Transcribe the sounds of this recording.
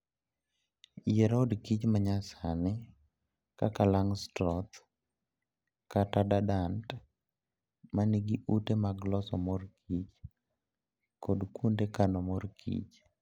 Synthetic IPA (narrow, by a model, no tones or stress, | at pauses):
jɛɾɔdkit͡ʃmaɲasanɪ | ka̰kalaŋstɾɔt̪ | katadadant | maniɡiʔutemaɡlɔsɔmɔrkʰit͡ʃ | kɔdkundekanɔmɔrkʰḭt͡ʃ